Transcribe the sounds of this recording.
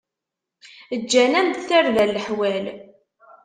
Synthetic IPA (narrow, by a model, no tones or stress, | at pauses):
əd͡ʒːænæmd̪θæɾlælːəħwæl